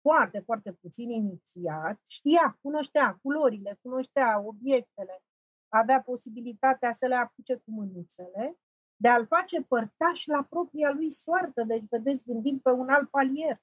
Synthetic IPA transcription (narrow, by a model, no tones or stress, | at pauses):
foart̪e̞foart̪eput̪sininit̪siat̪ʃt̪ijakuno̞ʃt̪eakulo̞ɾile̞kuno̞ʃt̪eao̞bje̞k̚t̪e̞le̞ | aveapo̞sibilit̪at̪easəle̞aput͡ʃe̞kumɨnut̪se̞le̞ | d̪e̞alfat͡ʃe̞pərt̪aʃʲlapɾo̞pɾialujsoart̪əd̪e̞t͡ʃʲve̞d̪esʲɡɨnd̪ind̪̚pe̞unalt̪̚palije̞r